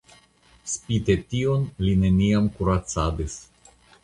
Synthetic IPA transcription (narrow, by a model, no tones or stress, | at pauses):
spit̪etionline̞niamkuɾat͡sadis